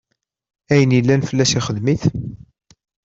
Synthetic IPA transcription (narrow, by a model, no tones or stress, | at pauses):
æjənjilːænfəlːæʃiχəðmiθ